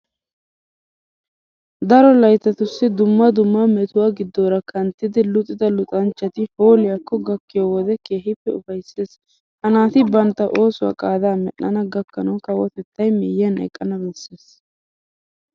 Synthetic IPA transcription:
d̪ɐɾɔlɐjt̪ːɐt̪ʊsːɪd̪ʊmːɐd̪ʊmːɐmɛt̪ʊwaɡɪd̪ːoːɾɐkʰɐnt̪ːɪd̪ɪlʊt̪ʼːɪd̪ɐlʊt̪ʼɐnt͡ʃːɐt̪ɪho̞ːlɪjɐkːɔɡɐkːɪjowɔd̪ɛke̞ːɦɪpːɛʊfɐjseːs | hɐnaːt̪ɪbɐnt̪ːɐʔo̞ːsʊwa̰ːkʼaːd̪aːmɛʔɐnɐɡɐkːɐnɐwkɐwɔt̪ɛt̪ːɐjmɛjɛnɛ̰kʼːɐnɐbɛsːeːs

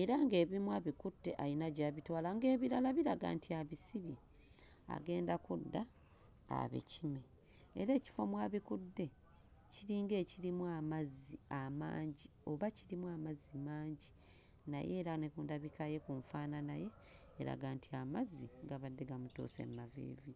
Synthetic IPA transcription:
eɾaŋɡe̞ːβimwaβikutːe̞ʔajinaɟaːβitwaːlaŋɡe̞ːβilalaβiɾaɡa̰ːntiaβisiβi | a̰ɡe̞ːndakudːa̰ː | βḛcime | ḛɾe̞ːci̥fo̞mwaːβikudːe̞ | ciɾiːŋɡe̞ːciɾimwamaziama̰ːɲɟio̞βaciɾimwamazimaːɲɟi | na̰je̞ːɾanekuːndaβikaje̞kuɱfaːnanaje̞ː | ɾa̰ɡaːntʰiamaziŋɡaβadːe̞ɡamuto̰se̞̰mːavḛːvi

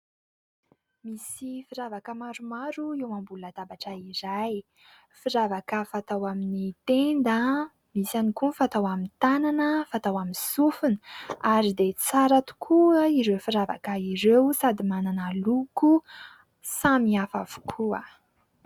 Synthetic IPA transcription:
misifiɾavakəmaɾumaɾuewambulat̪abaʈ͡ʂəiɾaj | fiɾavakəfat̪awaminit̪end̪ə | misanikunfat̪awamint̪ananəfat̪awaminsufuniaɾid̪et͡saɾat̪u̥kʰuəiɾewfiɾava̰kəiɾewsad̪imananaluku | samiafav̥u̥kʰuə

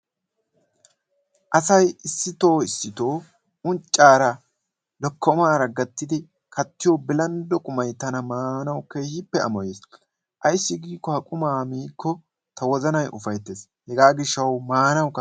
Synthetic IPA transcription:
ʔɐsɐjɪsːɪt̪o̞ːɪsːɪt̪o̞ː | ʊnt͡ʃʼːaːɾɐ | lɔkːɔmaːɾɐɡɐt̪ːɪd̪ɪ | kʰɐt̪ːɪjɔbɪlɐnd̪ɔkʼʊmɐjt̪ɐnɐmaːnɐwkejhɪpːɛɐ̰mɔjeːs | ʔɐjɪsːɪɡiːkːɔhɐkʼʊmaːmiːkʰːɔ | t̪ɐwɔzɐnɐjʔʊfɐjt̪ːeːs | hɛɡaːɡɪʃːɐwmaːnɐwkːɐ

